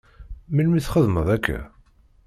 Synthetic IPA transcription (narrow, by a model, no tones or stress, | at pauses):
milmiθχəðməðˤækʰːæ̰